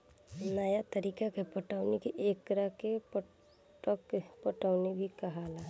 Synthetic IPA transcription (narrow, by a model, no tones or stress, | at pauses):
nəjat̪əɾiːkakepəʈaʊnekiʔeːkɾake | kpəʈaʊnebʱikəɦala